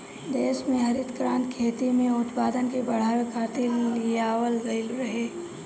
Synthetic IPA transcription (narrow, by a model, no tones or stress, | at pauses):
d̪eːʃmẽɦɐɾɪt̪kɾaːnt̪kʰeːt̪imẽʊt̪paːd̪ənkebɐɽ̤aːʋekʰaːt̪ɪllijaːwəlɡɐɪlɾɐɦeː